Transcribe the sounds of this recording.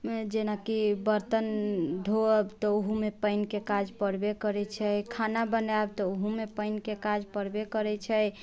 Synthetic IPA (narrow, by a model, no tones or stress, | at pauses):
d͡ʒenakibəɾt̪ənd̪ʱoəbt̪ɔuɦumepəɪnkekad͡ʒpəɾbekəɾɛt͡ʃʰɛjkʰanabənab̚t̪ɔoɦumepəɪnkekad͡ʒpəɾbekəɾɛt͡ʃʰɛj